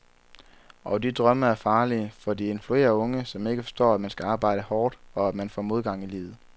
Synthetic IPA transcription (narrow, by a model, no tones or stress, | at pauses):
ʔɒ̽d̥id̥ʁɶməæɐfɑ̈ːliəfɒ̽d̥ie̝nflue̝̰ːɐɔ̽ŋəsɒ̽me̝ɡ̥əfɒ̥sd̥ɒ̰ːæd̥mænsɡ̥æɑ̈ːb̥ɑ̈ɪ̰ɾ̥əhɒːd̥ɒ̽ædmænfɒ̰ːmo̝ð̞ˠɡ̥ɑ̈ŋ̰ilḭːʊð̩ˠ